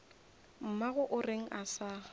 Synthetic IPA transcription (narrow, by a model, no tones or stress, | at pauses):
m̩maɣʊʔʊreŋ̩ʔasaː